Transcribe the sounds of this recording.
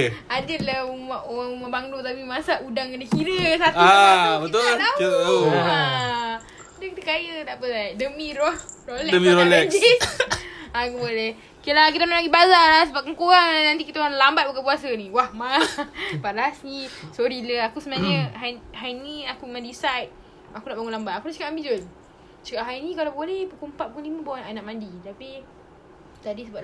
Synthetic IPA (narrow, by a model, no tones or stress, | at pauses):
adəlaumaaŋumabaŋlot̪apimasaʔudaŋkənakiɾəsatuabət̪ulaakiat̪at̪auaa | dakit̪akajət̪aʔpəlajdəmĩɾɔrolɛdəmiɾolɛd͡ʒis | akubolɛh | kilak̬it̪analaɡibazalahsəbap̚kankoɾaŋlanant̪ikit̪aanlambat̪̚bakapuasəniwahmabaʔlasnisoɾiləakusəmənaɲəɦajɦajniakumandisajt̪̚ | akunaʔbaŋulambat̪̚akunaʔt͡ʃəkaʔambid͡ʒol | t͡ʃəkaʔɦajnikalabolɛhpəkumpat̪̚pəkənliməbawnanaʔmandit̪api | t̪adisəba